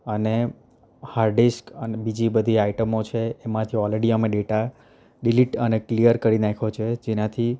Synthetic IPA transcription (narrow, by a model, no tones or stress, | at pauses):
əne | haɾɖiskənebid͡ʒibəd̪ʱiaiʈəmot͡ʃʰeːmãt̪ʰiɔlɾeɽiəmeɖeʈa | ɖiliʈəneklijəɾkəɾinakʰot͡ʃʰed͡ʒenãt̪ʰi